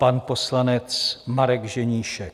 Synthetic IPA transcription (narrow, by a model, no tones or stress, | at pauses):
panposlanɛt͡smaɾɛɡʒɛɲiːʃɛk